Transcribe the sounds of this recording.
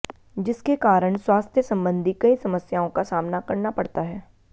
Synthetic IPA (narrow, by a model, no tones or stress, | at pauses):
d͡ʒɪskekaːɾəɽ̃swaːst̪ʰjəsɐ̃mbə̃nd̪ʱikɐisɐməsjaːõkasaːmnakɐɾnapɐɽt̪aɦɛː